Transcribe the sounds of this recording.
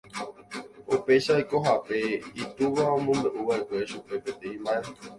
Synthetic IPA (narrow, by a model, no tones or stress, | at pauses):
ope̞ʃako̞ɦape̞it̪uʋaõmõmbeʔuʋaʔe̞kʷe̞ʃupe̞pet̪ẽĩmbae